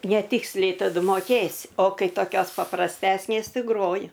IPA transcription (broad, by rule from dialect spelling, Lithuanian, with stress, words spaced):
nʲɛˈtʲɪksʲlʲɛɪ tɐˈdʊ moːˈkʲeːsʲɪ oː ˈkɐɪ toːˈkʲoːs pɐprɐsʲˈtʲæːsʲnʲeːs ˈtɐɪ ˈɡroːjʊ